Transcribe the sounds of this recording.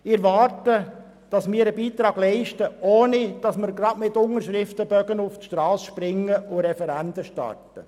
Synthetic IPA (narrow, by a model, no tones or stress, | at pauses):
ɪɾʋɑɾtə | d̥ɑsmɪːəɾəbiːtɾɑːɡ̥lɛɪʃtəʔoːnid̥ɑsməɾɡɾɑdmɪt̪ːʊŋəɾʃɾɪftəbœɡənʊftʃtɾɑːsʃpɾɪŋːəʔʊɾɛfɛɾændəʃtɑ̰rtə